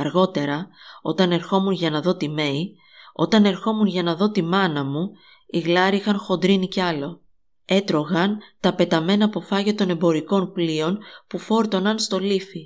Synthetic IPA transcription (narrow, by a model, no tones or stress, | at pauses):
ɐɾɣo̞t̪e̞ɾɐo̞t̪ɐne̞ɾxo̞munʝɐnɐðo̞t̪ime̞i | o̞t̪ɐne̞ɾxo̞munʝɐnɐðo̞t̪imɐnɐmu | iɣlɐɾiixɐnxo̞nd̪ɾiniceɐlo̞ | e̞t̪ɾo̞ɣɐnt̪ɐpe̞t̪ɐme̞nɐpo̞fɐʝɐt̪o̞ne̞mbo̞ɾiko̞nplio̞npufo̞ɾt̪o̞nɐnst̪o̞lifi